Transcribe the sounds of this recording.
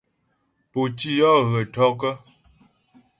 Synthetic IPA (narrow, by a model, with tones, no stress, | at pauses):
po˨t͡ʃi˦jɔ˦ɣə˨tɔ˦k̬ə˦